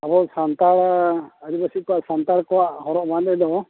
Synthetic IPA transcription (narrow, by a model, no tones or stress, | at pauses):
abɔsant̪aɽəɾibasikɔwaʔsant̪aɽkɔwaʔhɔɾɔʔband̪ɛd̪ɔ